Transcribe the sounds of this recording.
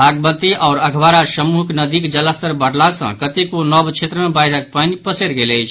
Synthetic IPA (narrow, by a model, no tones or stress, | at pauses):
bʱaɡ̚bət̪iʔaʊɾəɡʰʱbaɾasəmuɦəknəd̪ikd͡ʒələst̪əɾbəɽlasə̰̃kət̪ekonɔbt͡ʃʰet̪ɾəmebajd̪ʱək̚pənipəseɾɡeləɪjt͡ʃʰ